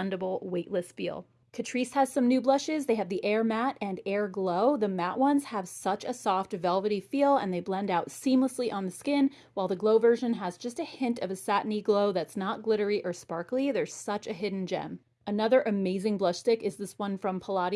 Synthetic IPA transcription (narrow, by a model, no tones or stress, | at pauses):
ndɨbl̩ˠweɪʔˡlɨsfḭlˠ | kʰɨtʰɹ̥ishɨz̥sʌ̃mnʉblʌʃɪzðeɪɨvðiʔɛɹmæɾɨ̃nɛɹɡloʊðɨmæʔwʌ̃nz̥əv̥sʌt͡ʃɨsɔftvɛlˠvɨɾifilˠə̰̃nðeɪblɛ̃ndaʊtsĩmləsliʔə̃nðɨskɪ̃n | waɪlˠðɨɡloʊvɜ˞ʒɨ̃nəzd͡ʒʌstɨhɪ̃ntʰʌvɨsæʔn̩iɡloʊðɨtsnət̚ɡ̥lɪɾə˞iʔə˞spɑɹkl̩ˠiðə˞z̥sʌt͡ʃɨɦɪdⁿn̩d͡ʒɛ̰̃m | ɨnʌðə˞ʔɨmeɪzɪ̃ŋblʌʃstɪkɨzðɪswʌ̃nfɹʌ̃mpʰəlɑɾi